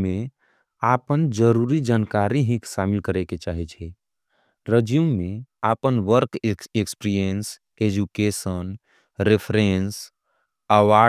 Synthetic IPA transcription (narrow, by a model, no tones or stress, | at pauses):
mẽ | apənd͡ʒəɾuɾid͡ʒankaɾiɦĩkʃamilkəɾeket͡ʃaɦit͡ʃʰɛ | ɾəd͡ʒummẽapənʋəɾkekspɾiəns | ed͡ʒukesən | ɾepʰɾens | əʋa